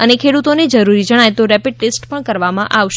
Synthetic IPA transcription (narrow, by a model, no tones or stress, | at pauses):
ənekʰeɽut̪oned͡ʒəɾuɾid͡ʒəɽ̃ajt̪oɾɛpiɖ̚ʈesʈpəɳkəɾʋamãʔaʋʃ